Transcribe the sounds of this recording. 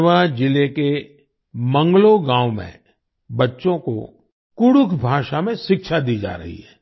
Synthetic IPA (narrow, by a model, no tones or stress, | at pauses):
ʋad͡ʒɪleke | mə̃ŋɡloɡãːwmḛ̃ | bɐtːʃõko̰ | kʊɽʊkʰbʱaːʃamẽʃɪkʃad̪iːd͡ʒa̰ːɾɐ̰ɦḭɦɛː